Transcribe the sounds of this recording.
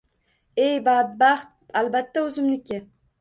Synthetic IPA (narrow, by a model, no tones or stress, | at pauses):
ejbad̪̚baχt̪̚albat̪ːaɵzɪmnɪkʲʰɪ